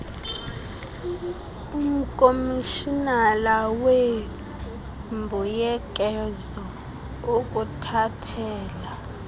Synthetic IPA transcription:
um̩kʼomiʃinalawe | mbʱujɛk̬ʼɛzɔ | ok̬ʼutʰatʰɛːla

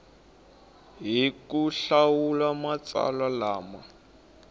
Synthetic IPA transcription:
ɦikuɬawulamat͡sa̰lalaːma

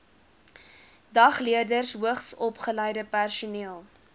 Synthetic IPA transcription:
dɐχliərdərsɦuəχsɔpχəlɛjdəpærsuniəlˠ

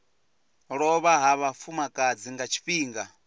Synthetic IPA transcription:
ɺɔβaɦaβafumakʼad͡ziŋɡat͡ʃʰi̥ɸiːŋɡa

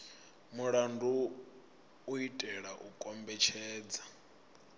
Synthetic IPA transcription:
muɺandʱu | itʼɛɺaʔukʼɔmbɛt͡ʃʰɛːd͡za

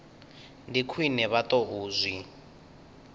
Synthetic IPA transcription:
ndikʰwinɛβatɔuːzʷwi

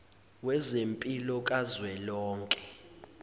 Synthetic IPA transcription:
wɛzempʼilɔkʼazwɛlɔːŋkʼɛ̥

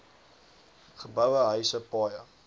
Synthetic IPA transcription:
χəbəwəɦœɥsəpɑːjə

